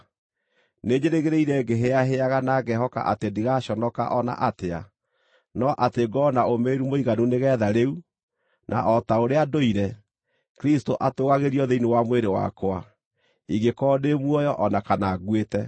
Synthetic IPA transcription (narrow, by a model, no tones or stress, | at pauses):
ned͡ʑeɾeɣeɾeiɾɛɡeɦeaɦeaɣanaɡɛɦɔka̰ʔa̰tendiɣaɕɔnɔka̰ʔɔna̰ʔatea̰ | nɔʔateɡɔnaomeːɾumoiɣanuneɣɛːðaɾeu | nʔa̰ʔɔtaoɾeadoiɾɛ | kɾistoʔatoːɣaɣeɾiɔðeinewamweɾewa̰kwa | iɡekɔːdemwɔjɔʔɔnakanaɣwetɛ